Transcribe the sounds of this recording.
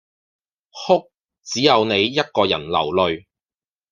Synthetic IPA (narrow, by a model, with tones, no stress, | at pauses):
hʊ˥k̚ | t͡siː˨˥jɐ˨˧wne˨˧jːɐ˥t̚kɔː˧jɐ̰˨˩nlɐ̰˨˩wlɵ˨˧ɥ